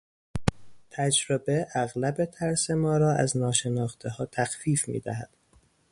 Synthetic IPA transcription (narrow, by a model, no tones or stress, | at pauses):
t̪ʰæd͡ʒɾobe̞ʔæɣlæbe̞t̪ʰæɾse̞mɒːɾɒːæ̰znɒːʃe̞nɒːxt̪ʰeɦɒːt̪ʰæxfiːfmḭːd̪æ̰ɦæd̪̥